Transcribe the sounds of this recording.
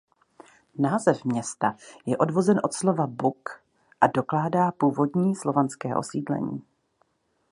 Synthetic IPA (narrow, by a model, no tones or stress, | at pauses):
naːzɛfmɲɛst̪ajɛʔo̞dvo̞zɛnʔo̞t̪slo̞vabuk | ʔado̞klaːdaːpuːvo̞dɲiːslo̞vanskɛːʔo̞̰siːdlɛ̰ɲḭː